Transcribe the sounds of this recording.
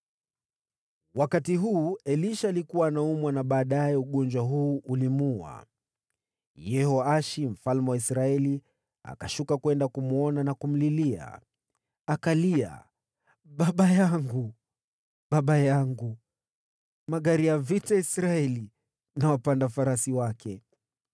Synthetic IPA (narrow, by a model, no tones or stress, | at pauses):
wakatiɦuːɛliʃaːlikuwaːnaumwanaɓaːɗajɛuɠɔnd͡ʒwaɦuːʔulimua̰ | jɛhɔaʃim̩falmɛwaisɾaɛli | a̰kaʃukakwɛndakumuɔnanakum̩lilia̰ | akalia̰ | ɓaɓajaŋɡu | ɓaɓajaŋɡu | maɠaɾijavitaisɾaɛli | nawapandafaɾasiwakɛ